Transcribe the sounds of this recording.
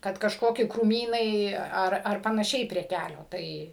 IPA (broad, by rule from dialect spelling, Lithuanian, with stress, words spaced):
ˈkɐt kɐʃˈkoːkʲɪ kruːˈmʲiːnɐɪ ˈɐr ɐr pɐnɐˈʃʲɛɪ pʲrʲiɛ ˈkʲælʲoː ˈtɐɪ